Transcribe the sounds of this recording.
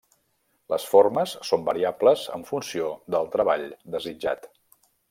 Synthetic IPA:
ləsforməsːombəɾiabləzə̰ɱfunsioðəlˠt̪ɾəβaʎd̪əzid͡ʒa̰t̪

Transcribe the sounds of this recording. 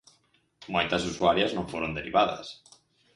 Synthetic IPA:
mojt̪asusuaɾjaznõɱfoɾond̪eɾiβaða̰s

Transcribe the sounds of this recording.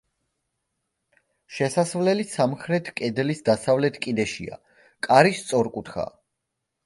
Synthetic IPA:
ʃɛsasvlɛlisamχɾɛt̪ʰkʼɛd̪lisd̪asavlɛt̪ʰkʼid̪ɛʃḭa̰ | kʼaɾist̪sʼɔɾkʼut̪ʰχa̰

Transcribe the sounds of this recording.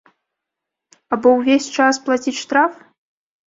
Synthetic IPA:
abɔwvʲesʲt͡ʂasplˠat͡sʲit͡sʲʂt̪ɾaf

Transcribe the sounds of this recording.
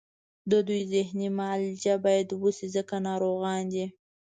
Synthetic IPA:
d̪əd̪ujzɪhnimald͡ʒabɑjad̪wusizəkanɑɾoɣɑnd̪i

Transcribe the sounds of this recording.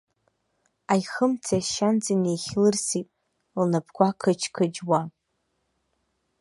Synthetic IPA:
ajχəmt͡sʰaʃand͡zinejχʲlɨrsipʼ | lnapʰkʷakʰɨt͡ʃʰkʰɨd͡ʒwa

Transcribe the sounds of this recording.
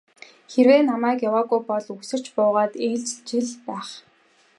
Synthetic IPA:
xerweːnamæːkjawaːɣujpɔɮuksɘ̆r̥t͡ɕpʊːʁaːt̪iːɮt͡ɕt͡ɕiɮpæːχ

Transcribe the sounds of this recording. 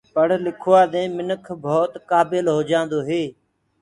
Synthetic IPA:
pəɽlɪkʰʊːaːɗ̪ẽːmɪnəkʰbʱoːt̪kaːbɪlɦoːd͡ʒãːnd̪oːɦeː

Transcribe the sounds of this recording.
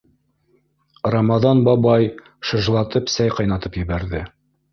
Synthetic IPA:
ramɑðɑnbɑbɑj | ʃɤ̆ʒlˠɑt̪ɤpsæjqɑjnɑt̪ɤpjɘ̆βæɾðɘ

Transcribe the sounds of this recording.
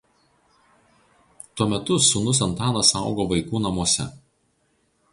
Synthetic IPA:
t̪uɔmʲɛt̪ʊsʊnʊs̬ɐnt̪ɑːnɐsɑˑʊɡoːʋɐɪkuːnɐmuɔsʲɛ̰

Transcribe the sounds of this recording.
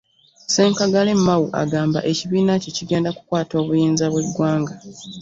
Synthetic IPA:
se̞ːŋkaɡale̞mːawuʔa̰ɡaːmba̰ʔe̞ciβiːnaceciɡe̞ːndakukwaːto̞ːβujiːnzaβweɡwaːŋɡa

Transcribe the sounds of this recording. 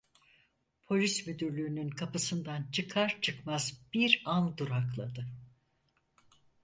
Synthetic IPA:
pʰo̞lʲismyd̪yɾlʲyːnynkʰapɯsɯnd̪ant͡ʃʰɯkʰaɾt͡ʃʰɯkmazb̥iɾand̪uɾaklˠa̰d̪ɯ

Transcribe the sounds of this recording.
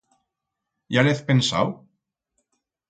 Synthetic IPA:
jalɛθpɛnsa̰w

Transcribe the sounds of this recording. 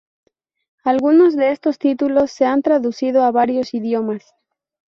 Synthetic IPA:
alɣuno̞zðe̞e̞st̪o̞st̪it̪ulo̞sːe̞ant̪ɾaðusið̞o̞aβaɾjo̞siðjo̞mas

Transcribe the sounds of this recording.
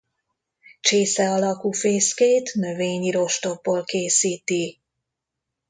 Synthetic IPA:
t͡ʃeːsɛɒlɒkuːfeːskeːt̪nøveːɲiɾo̞ʃt̪o̞bːoːlkeːsiːt̪i

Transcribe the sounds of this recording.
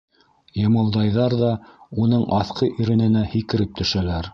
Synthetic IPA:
jɤ̆mɤ̆lˠd̪ɑjðɑɾðɑunɤɴʔɑθqɤʔiɾɘ̆nɘ̆næhikɘ̆ɾɘp̚t̪ɵ̆ʃælæɾ

